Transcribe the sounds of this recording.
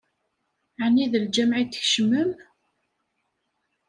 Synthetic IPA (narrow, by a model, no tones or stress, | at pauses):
ʕniðəld͡ʒæmʕit̪ːə̥çʃəməm